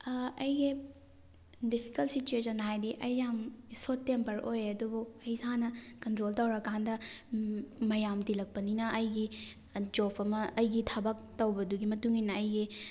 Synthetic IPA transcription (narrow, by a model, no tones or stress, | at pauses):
ɐjɡi | dipʰi̥kɐlsit͡ʃuesɐnɦajdiʔɐjːamsotːempɐɾʔojeɐdubuɐjsanɐkɐntɾoltɐwɾɐkandɐ | mɐjamtilɐk̚pɐninɐʔɐjɡi | d͡ʒopʰɐmɐɐjɡitʰɐbɐk̚tɐwbɐduɡimɐtuŋinɐːjɡi